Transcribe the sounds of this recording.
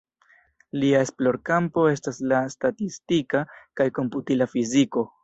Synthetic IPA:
liae̞splo̞ɾkampo̞e̞staslastatistikakajko̞mputilafiziko̞

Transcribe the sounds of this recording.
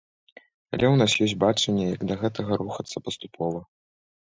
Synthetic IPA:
ɐlʲɛwnasjɔsʲbat͡ʂɐnʲːɛjɐɡd̪ɐɣɛt̪ɐɣɐɾuxɐt̪sːɐpɐst̪upʰɔvɐ

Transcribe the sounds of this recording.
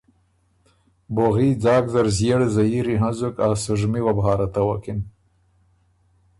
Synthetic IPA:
boɣid͡zɑːkzaɾzjeɽezaiɾiɦazukasuʐmiwabɦɑːɾat̪awakin

